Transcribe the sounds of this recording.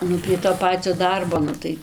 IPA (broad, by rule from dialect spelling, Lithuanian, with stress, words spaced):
ˈnʊ pʲrʲiɛ toː ˈpɑːt͡sʲoː ˈdɐrboː ˈnʊ tɐɪ